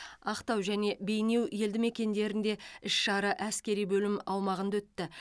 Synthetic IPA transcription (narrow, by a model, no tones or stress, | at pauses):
ɑqt̪ɑwʒæne̞be̞jne̞wje̞ld̪ɪme̞kʲe̞nd̪e̞ɾɪnd̪e̞ɪʃʃɑɾəʔæskʲe̞ɾijbɵlɪmɑwmɑʁənd̪wɵt̪ːɪ